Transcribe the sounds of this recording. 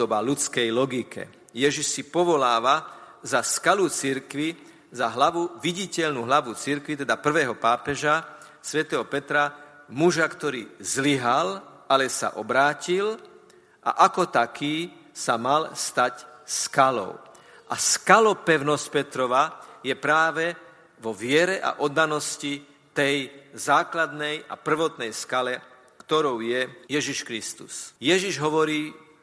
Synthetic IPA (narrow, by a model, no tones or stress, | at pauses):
ɔbalut͡skɛjlɔɡikɛ̰ | jɛʒiʃsipɔʋɔlaːʋazaskalut͡siɾkʋi | zaɦlaʋuʋiɟicɛʎnuɦlaʋut͡siɾkʋit̪ɛd̪apr̩ʋɛːɦɔpaːpɛʒa | sʋɛt̪ɛːɦɔpɛt̪ɾa | muʒakt̪ɔɾiːzliɦal | alɛsa̰ʔɔbɾaːcil | ʔa̰ʔakɔt̪akʰiː | samalst̪acskalɔ̰ʊ | ʔaskalɔpɛʊnɔsc̚pɛt̪ɾɔʋajɛpɾaːʋɛ | ʋɔʋɪɛɾɛʔa̰ʔɔd̪ːanɔsci | t̪ɛjzaːklad̪nɛja̰pr̩ʋɔt̪nɛjskalɛ | kt̪ɔɾɔʊjɛjɛʒiʃkɾist̪usjɛʒiʒɦɔʋɔɾiː